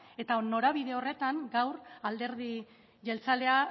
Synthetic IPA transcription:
e̞t̪aono̞ɾaβiðe̞o̞re̞t̪aŋɡawɾald̪e̞ɾði | ʝe̞lt͡sale̞a

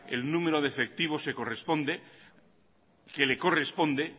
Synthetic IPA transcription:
ḛlnũme̞ɾoð̞efe̞k̚t̪iβ̞o̞se̞ko̞respo̞nd̪e | keleko̞re̞spõ̞nd̪e

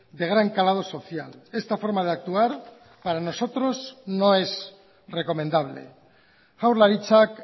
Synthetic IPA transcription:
d̪e̞ɣ̞ɾaŋkalað̞o̞so̞θja̰lest̪afo̞ɾmað̞eak̚t̪uaɾ | paɾano̞so̞t̪ɾo̞znõe̞z | reko̞mẽnd̪aβ̞lḛ | awɾlaɾit͡ʃak

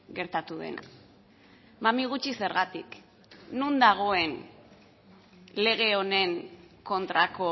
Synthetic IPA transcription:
ɣe̞ɾt̪at̪uðḛna̰ | mamiɣ̞ut͡ʃise̞ɾɣat̪ḭk | nund̪aɣ̞o̞e̞n | le̞ɣ̞e̞one̞ŋko̞nt̪ɾako

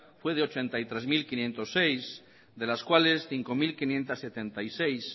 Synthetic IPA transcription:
fweð̞eot͡ʃe̞nt̪ajt̪ɾezmilkinjent̪o̞sːejs | d̪e̞laskwale̞sθiŋko̞milkinjẽ̞nt̪asːe̞t̪ent̪ajsejs

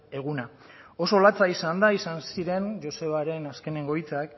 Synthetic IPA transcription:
e̞ɣ̞una | o̞so̞lat͡saisand̪aisansiɾe̞nʝo̞se̞β̞aɾe̞naske̞ne̞ŋɡo̞jt͡sak

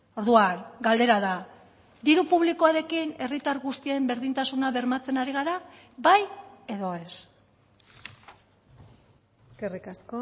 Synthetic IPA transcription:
o̞ɾðuanɡald̪e̞ɾaða | d̪iɾupuβliko̞aɾe̞kine̞rit̪aɾɣust̪iembe̞ɾðint̪asunaβe̞ɾmat͡se̞naɾiɣaɾa | baje̞ðo̞e̞s | eske̞rikasko

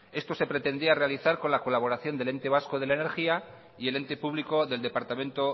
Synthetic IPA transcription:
e̞st̪o̞se̞pɾe̞t̪e̞nd̪iare̞aliθaɾko̞nlako̞laβ̞o̞ɾaθjo̞nd̪e̞le̞nt̪e̞β̞askoð̞e̞laene̞ɾxia | ie̞le̞nt̪e̞puβliko̞ðeld̪e̞paɾt̪amẽ̞nt̪o̞

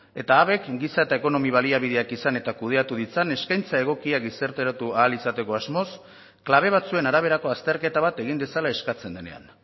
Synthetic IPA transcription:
e̞t̪aːβe̞kɡisae̞t̪ae̞ko̞no̞miβ̞aliaβ̞ið̞e̞akisane̞t̪akuð̞e̞at̪uð̞it͡sane̞skajnt͡sae̞ɣ̞o̞kiaɡisaɾt̪eɾat̪uaːlisat̪e̞ko̞azmo̞s | klaβ̞e̞β̞at͡sue̞naɾaβ̞e̞ɾako̞ast̪e̞ɾke̞t̪aβ̞at̪e̞ɣ̞ind̪e̞salae̞skat͡se̞nd̪e̞ne̞̰a̰n

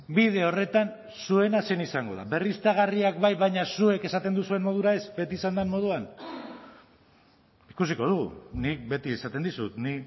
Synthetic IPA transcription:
biðe̞o̞re̞t̪an | sue̞nase̞nisaŋɡo̞ða̰βe̞rist̪aɣ̞ariakβajβajɲasue̞ke̞sat̪e̞nd̪usue̞nmo̞ðuɾae̞sbe̞t̪iːsand̪anmo̞ð̞uan | ikusiko̞ð̞uɣṵnik̚be̞t̪iesat̪e̞nd̪isut̪ni

